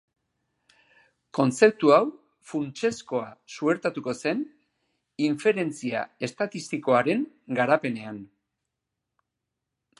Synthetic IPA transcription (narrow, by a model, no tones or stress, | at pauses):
ko̞nt͡se̞p̚t̪uaw | funt͡ʃe̞sko̞asue̞ɾt̪at̪uko̞se̞n | iɱfe̞ɾe̞nt͡sia̰e̞st̪at̪ist̪iko̞aɾe̞ŋ | ɡaɾape̞ne̞an